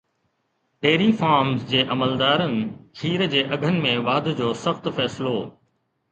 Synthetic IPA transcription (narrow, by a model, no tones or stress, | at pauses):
ɖeːɾifaːɾmzd͡ʑeːʔɐməld̪aːɾənɪ̆kʰiːɾd͡ʑeːʔɐɡʱənɪ̆mẽʋaːd̪ʱd͡ʑoːsɐxt̪fɛːsɪloː